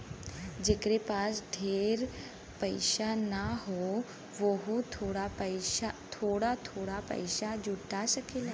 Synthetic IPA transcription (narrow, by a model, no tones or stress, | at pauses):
d͡ʒekɾepaːsɖʱeːɾ | pəɪʃanaɦo | ʋoɦut̪ʰoːɽapəɪat̪ʰoːɽat̪ʰoːɽapə̰ɪʃad͡ʒuʈasəkelː